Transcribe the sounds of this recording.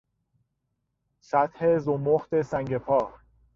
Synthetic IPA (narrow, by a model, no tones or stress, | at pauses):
sæt̪hezomoxt̪e̞sæŋɡepʰɒːɾ